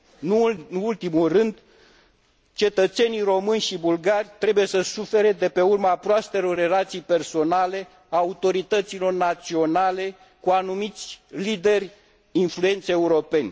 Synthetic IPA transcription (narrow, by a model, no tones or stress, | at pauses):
nuult̪imulrɨnd̪ | t͡ʃe̞t̪ət̪se̞nijro̞mɨnʲʃibulɡarʲt̪ɾe̞buje̞səsufe̞ɾe̞d̪e̞pe̞urməapɾoast̪e̞ɾo̞rːe̞lat̪sijpe̞rso̞nale̞ | aut̪o̞ɾit̪ət̪silo̞rnat̪sio̞nale̞ | kuanumit̪sʲlid̪e̞rʲ | influe̞nt̪seeuɾo̞pe̞nʲ